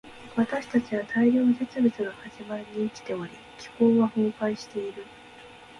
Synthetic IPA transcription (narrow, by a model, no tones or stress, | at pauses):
βat̪aɕi̥t̪at͡ɕiβat̪ʰaiɾʲoːnose̞t͡sɨbʲit͡sɨɡ̪ohaʑimaɾiɲ̟iːkʲi̥t̪e̞oɾʲi | kʲʰi̥hoːβahõːkaiɕi̥t̪e̞iɾɯ̟